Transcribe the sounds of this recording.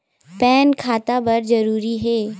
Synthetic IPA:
pɛːnkʰaːt̪abɐɾd͡ʒɐɾuːɾiɦɛː

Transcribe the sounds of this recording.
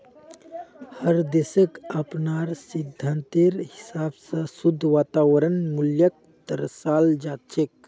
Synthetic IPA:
həɾd̪esəkəpnaːɾsid̪ʱːənt̪iɾhisaːbsəsud̪ʱːʋaːt̪aːwəɾənmuljək̚ | t̪əɾsaːld͡ʒaːt͡ʃek̚

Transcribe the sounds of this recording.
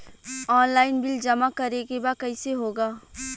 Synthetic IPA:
ɔːnlaːɪnbɪld͡ʒɐmakɐɾekebakɐiseɦoːɡaː

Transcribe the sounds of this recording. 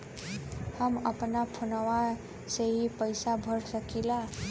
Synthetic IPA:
həməpnapʰunəwa | seɦipəjsabʱəɽsəkila

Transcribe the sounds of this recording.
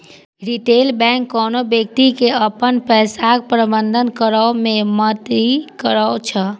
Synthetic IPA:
ɾiʈelbɛ̃ŋkːɔnobjək̚t̪ikeəpənpɛɪsak̚pɾəbənd̪ʱənkəɾəomẽmət̪ikəɾəwt͡ʃʰə

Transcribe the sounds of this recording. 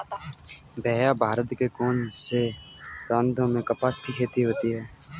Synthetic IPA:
bʱɛːjabʱaːɾət̪kekoːnse | ɾə̃nd̪ʱõmẽkəpast̪ʰikʰeːt̪iɦoːt̪iɦɛː

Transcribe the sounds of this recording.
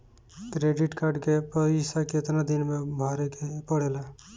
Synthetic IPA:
kɾeɖiʈkaɾɖkepəisaket̪nad̪inmebʱaɾekepəɽela

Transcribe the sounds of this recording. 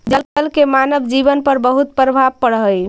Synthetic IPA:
d͡ʒəlpəlkemanəbd͡ʒiβənpəɾbəɦut̪̚pɾəbʱabpːəɽɦəj

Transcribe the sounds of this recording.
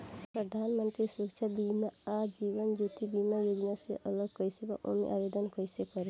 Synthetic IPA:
pɾəd̪ʱanmənt̪ɾisukt͡ʃʰabimaad͡ʒiʋənd͡ʒut̪ibimajod͡ʒnaseʔəloɡkəjseba̰ʔo̰mḛʔabed̪ənkəjsekəɾe

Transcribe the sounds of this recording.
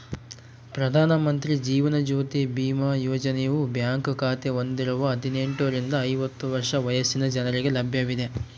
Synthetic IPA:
pɾɐd̪ʱaːnɐmɐnt̪ɾid͡ʒiːʋɐnɐd͡ʒuːt̪ebiːmaːjoːd͡ʒɐnejɐʋubjaːŋkkʰaːt̪eo̞nd̪iɾɐʋɐɐd̪ʱine̞ɳʈuɾind̪ɐːjʋɐt̪ːuʋɐɾʂɐʋɐjɐsinɐd͡ʒɐnɐɾiɡe̞lɐbʱjɐʋid̪e̞

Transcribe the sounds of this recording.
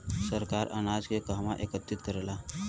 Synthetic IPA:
səɾkaɾʔə̰nad͡zkekaɦmaʔekət̪ːit̪kəɾla

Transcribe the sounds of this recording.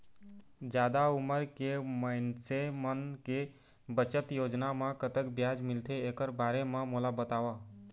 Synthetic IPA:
d͡ʒjad̪auməɾkemənsemənke | bət͡ʃət̪jod͡ʒnamekət̪əkbjad͡ʒmilt̪ʰeːkəɾbaɾememolabət̪awa

